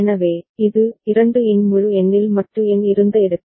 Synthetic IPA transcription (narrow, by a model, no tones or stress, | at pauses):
nɐʋeːɪðɯɪɾɐɳɖɯɛnmʊɻɯɛnːɪlmɐʈrɯɛnɪɾɯnd̪ɐɪɽɯkː